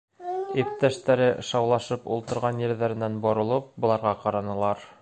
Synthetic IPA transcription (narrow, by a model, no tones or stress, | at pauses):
ip̚t̪æʃt̪æɾɘʃɑwlˠɑʃɤpulˠt̪ɤ̆ɾʁɑnjɘ̆ɾðæɾɘ̆nænbŏɾŏlˠɤp̚bŏlˠɑɾʁɑqɑɾɑnɤ̆lˠɑɾ